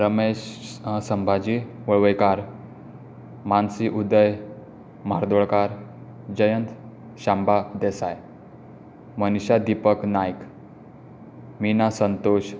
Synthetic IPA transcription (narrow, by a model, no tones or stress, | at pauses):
ɾəmeɕsəmbʱad͡ʑiʋəɭʋəjkaɾ | mansiʔud̪əj | maɾd̪oɭkaɾ | d͡ʑəjənt̪ | ɕambʱad̪esaj | məniɕad̪ipəknajk | minasənt̪oɕ